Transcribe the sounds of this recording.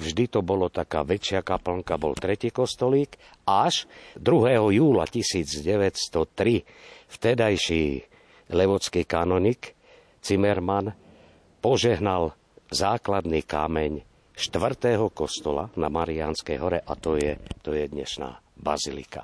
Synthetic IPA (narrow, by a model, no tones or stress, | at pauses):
vʒd̪it̪ɔbɔlɔt̪aka̰ːʋɛt͡ʃɪakapl̩ŋkabɔ̰lt̪ɾɛciːkɔst̪ɔliːk | aʃd̪ɾuɦɛːɦɔjuːla̰cisiːd͡zɟɛʋɛtst̪ɔt̪ɾi | ft̪ɛd̪ajʃiː | lɛʋɔt͡skiːkanɔɲik | t͡simɛɾman | pɔʒɛɦnal | zaːklad̪niːka̰ːmɛɲ | ʃt̪ʋr̩t̪ɛɦɔkɔst̪ɔla̰na̰maɾianskɛjɦɔɾɛʔa̰t̪ɔjɛt̪ɔjɛd̪ɲɛ̰ʃna̰ːba̰zilḭka̰